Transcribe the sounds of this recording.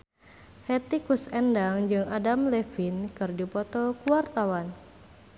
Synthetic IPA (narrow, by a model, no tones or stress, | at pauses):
hɛt̪ikusɛndaŋd͡ʒɨŋʔadamlɛfinkɨrdipɔt̪ɔkuwart̪awan